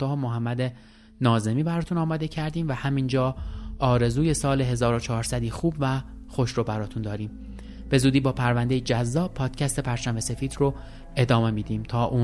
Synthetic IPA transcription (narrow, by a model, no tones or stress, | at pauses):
ɒːhomoɦæmːæd̪e | nɒːze̞miːbæɾɒːt̪ʰunɒːmɒːd̪e̞cʰæɾd̪iːmvæhæmind͡ʒɒːɒːɾe̞zuːje̞sɒːle̞ɦe̞zɒːɾot͡ʃʰɒːɾsæd̪iːxuːbvæ | xo̞ʃɾobæɾɒːt̪ʰund̪ɒːɾiːm | b̥e̞zuːd̪iːbɒːpʰæɾvænd̪ejed͡ʒæzːɒːbpʰɒːd̪̥cʰæst̪e̞pʰæɾt͡ʃʰæmese̞fiːd̪ro | e̞d̪ɒːme̞miːd̪iːmt̪ʰɒːʔuː